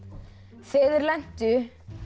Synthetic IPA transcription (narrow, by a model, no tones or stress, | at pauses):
fɪːðɪɾlɛn̥t̪ʏ